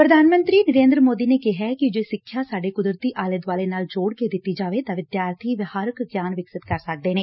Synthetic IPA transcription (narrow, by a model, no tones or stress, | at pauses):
pɾəd̪ʱaːnmə̃nt̪ɾiːnəɾẽːnd̪ɾəmoːd̪iːneːkɪɦɛːkɪd͡ʒeːsɪkʰːjaːsaːɖeːkʊd̪ɾt̪iːʔaːləd̪ʋaːleːnaːld͡ʒoːɽked̪ɪt̪ːiːd͡ʒaːʋeːt̪ãːʋɪd̪jaːɾt̪ʰiːʋɪhaːɾəkɡjaːnʋɪksɪt̪kəɾsək̚d̪eːneː